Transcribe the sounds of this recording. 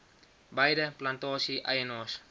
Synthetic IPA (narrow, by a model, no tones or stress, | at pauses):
bajdəplantɔːsiʔa̰jənɔːs